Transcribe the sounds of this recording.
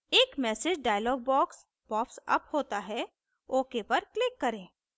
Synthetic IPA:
eːkmɛːsed͡ʒɖaːjəlɔːɡ̚bɔːks | bɔːpsɐ̰phoːt̪aɦɛ | oːkepɐɾklɪkːɐɾẽː

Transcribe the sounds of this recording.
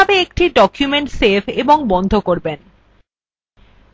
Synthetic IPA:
abeek̚ʈiɖɔkjumeɳʈsepʰeboŋbɔnd̪ʱokoɾben

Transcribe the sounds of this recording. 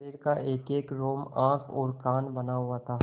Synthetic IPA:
eːɾkaʔeːkeːkɾoːmãːkʰɔ̰ːɾkaːnbɐnaɦʊat̪ʰaː

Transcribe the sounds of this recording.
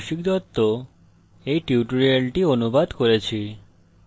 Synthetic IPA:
ʃik̚d̪ɔt̪ːo | ejʈiuʈuɾialʈionubad̪koɾet͡ɕʰi

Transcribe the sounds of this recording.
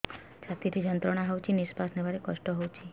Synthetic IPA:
d͡ʒat̪it̪ʰid͡ʒənt̪ɾɔɽ̃aɦɔwt͡ʃʰinispasnebaɾekɔʃʈɔɦowt͡ʃʰi

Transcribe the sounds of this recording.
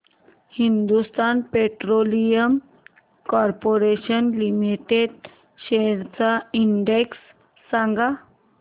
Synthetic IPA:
hind̪ust̪anpeʈɾolijəm | kɔɾpoɾeɕənlimiʈeɖ | ɕeɾt͡saiɳɖeksː | ãŋɡa

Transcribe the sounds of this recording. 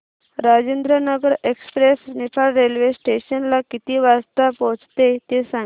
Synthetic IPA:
ɾad͡ʑend̪ɾənəɡəɾekspɾesnifʰalɾelʋesʈeɕənlakit̪iʋast̪apɔt͡st̪et̪esã

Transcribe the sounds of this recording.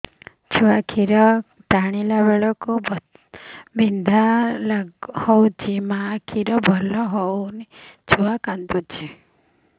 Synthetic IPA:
t͡ʃʰuakʰiɾɔ | ʈaɽ̃ilaβeɭɔkub | bind̪ʱalahɔwt͡ʃʰimakʰiɾɔbʱɔlɔɦɔwnit͡ʃʰuakant̪ut͡ʃʰi

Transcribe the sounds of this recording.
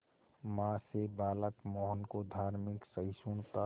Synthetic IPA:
mãːsebaːləkmɔːɦənkod̪ʱaːɾmɪksəɪsuɳt̪a

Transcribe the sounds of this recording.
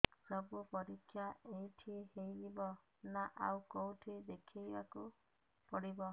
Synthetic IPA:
pɾɔbupɔɾikʰːjaejʈʰiehejlibɔ | naʔa̰wkowʈʰied̪ekʰijbaku | pɔɽibɔ

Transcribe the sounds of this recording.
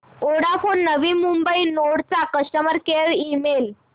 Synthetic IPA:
oɽafonːəʋiːmumbəinoɽt͡sakəsʈəməɾkeɭimel

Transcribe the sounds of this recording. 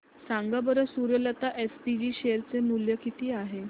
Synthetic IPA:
sãŋɡabəɾəsuɾjələt̪aʔespid͡ʑiːɕejəɾt͡senuljəkit̪iːaɦe

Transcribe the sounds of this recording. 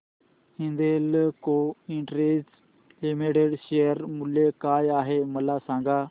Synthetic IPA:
ĩnd̪eːlkoːɪ̃ɳʈɾeːz | lɪmiːʈeːɖʃeːəɾmʊleːkaːjaːɦeːməlaːsãːŋɡaː

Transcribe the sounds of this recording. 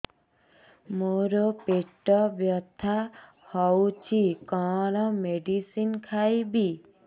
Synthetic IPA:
moɾɔpeʈɔbjɔt̪ʰa | hɔwt͡ʃʰikɔ̃ɾ̃ɔmeɖisinkʰajbi

